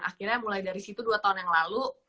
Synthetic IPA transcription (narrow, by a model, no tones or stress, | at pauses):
ŋa̰kirɲamulajdaɾisit̪uduat̪aɦunjaŋlalu